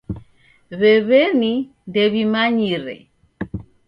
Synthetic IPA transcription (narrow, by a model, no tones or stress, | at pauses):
βɛβɛni | ndɛβimaɲiɾɛ̰